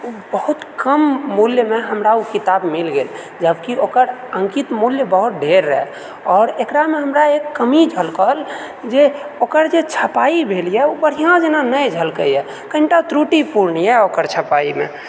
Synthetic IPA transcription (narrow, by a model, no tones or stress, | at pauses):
ubəɦut̪kəmːuljmeɦəmɾaukit̪abmilɡel | d͡ʒəbkiokəɾəŋkit̪muljəbəɦut̪̚ɖʱeɾːəɛ | ɔːɾekɾameɦəmɾaekːəmid͡ʒʱəlkəl | d͡ʒeokəɾd͡ʒet͡ʃʰəpaibʱeljɛubəɾ̤ijãd͡ʒenanəjd͡ʒʱəlkəjɛ | kəinʈat̪ɾuʈipuɾnjɛokəɾt͡ʃʰəpaimḛ